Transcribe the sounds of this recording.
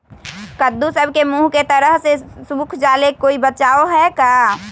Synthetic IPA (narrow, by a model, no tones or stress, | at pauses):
kəd̪ːusəbʱkemuɦket̪əɾəɦsesuukʰd͡ʒaːlekoːibət͡ʃaːoɦɛkaː